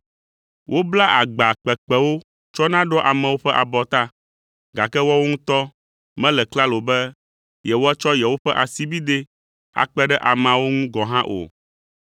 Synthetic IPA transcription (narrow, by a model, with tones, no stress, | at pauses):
wʔo˦bla˦ʔa˨ɡ͡ba˨k͡pɛ˨k͡pɛ˦wo˦ | t͡ʃɔ˦nã˦ɖɔ˦ʔa˨mɛ̃˨wo˦ɸɛ˦ʔa˨bɔ˨t̪a˦ | ɡa˨kɛ˦wɔ˦wo˦ŋũ˦t̪ɔ˦ | mɛ̃˦lɛ˨kla˦lo˨bɛ˦ | jɛ˨wo˦ɛ˦t͡ʃɔ˦jɛ˨wo˦ɸɛ˦ʔa˨si˦bi˦d̪e˦ | a̰˨k͡pɛ˦ɖɛ˦ʔa˨mã˨wo˦ŋũ˦ɡɔ˨ɦã˦ʔo̰˨